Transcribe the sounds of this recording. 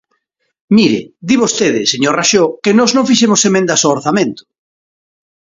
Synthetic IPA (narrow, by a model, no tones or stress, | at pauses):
miɾɪ̰d̪iβost̪eðɪseɲoɾraʃokenɔznõŋfiʃemosemẽnd̪ɐsoːɾθamẽnt̪ʊ̥